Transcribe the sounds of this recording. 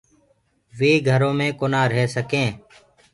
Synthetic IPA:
ʋeːɡʱəɾõːmẽːkoːnaːɾɦeːsəkẽː

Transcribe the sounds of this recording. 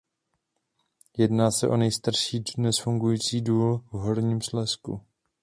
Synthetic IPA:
jɛdnaːsɛʔo̞nɛjst̪aɾʃiːnɛsfuŋɡujiːt͡siːduːlvɦo̞ɾɲiːmslɛskṵ

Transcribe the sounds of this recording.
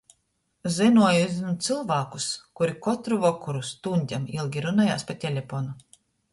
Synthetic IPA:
zinuɔjuzinut̪sɨlˠvaːkuskuɾikɔt̪ɾuvɔkuɾust̪unʲd̪ʲamilˠɡʲiɾunaja̰ːspat̪ʲɛlʲɛpɔnu

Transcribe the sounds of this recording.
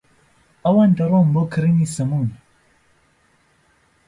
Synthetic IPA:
awand̪aɾookʰɾinisɐmun

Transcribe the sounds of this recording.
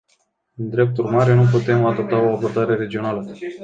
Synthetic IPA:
ɨnd̪ɾe̞p̚t̪urmaɾenup̬ut̪e̞mad̪o̞p̚t̪ao̞abo̞rd̪aɾe̞ɾe̞d͡ʒio̞nalə

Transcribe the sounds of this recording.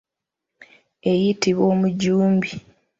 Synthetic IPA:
e̞jitiβo̞ːmuɟuːmbi

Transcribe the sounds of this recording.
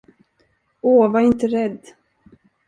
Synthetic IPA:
oːvaɾɪnt̪əɾɛd̪ː

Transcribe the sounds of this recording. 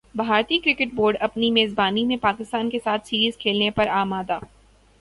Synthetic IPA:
bʱaːɾt̪ikɾɪkɪʈboːɾɖɐpnimeːzbaːnimẽpaːkɪst̪aːnkesaːt̪ʰsiːɾiːzkʰeːlnepɐɾaːmaːd̪aː

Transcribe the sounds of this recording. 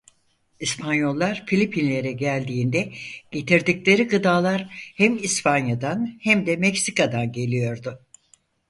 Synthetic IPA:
ispʰanjo̞lˠːaɾ̥filʲipʰinlʲe̞ɾɛɟælʲd̪iːnd̪ɛɟ̥e̞t̪ʰiɾd̪iclʲe̞ɾiɡɯd̪aːlˠaɾhɛmispʰanjad̪anhɛmd̪ɛmɛcsikad̪anɟe̞lʲijo̞ɾd̪ʊ

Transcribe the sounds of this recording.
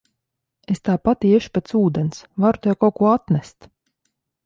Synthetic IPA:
est̪aːpat̪iɛʃu̥pʲet̪suːd̪ensvaɾu̥t̪ɛwkawkuɔat̪næst̪

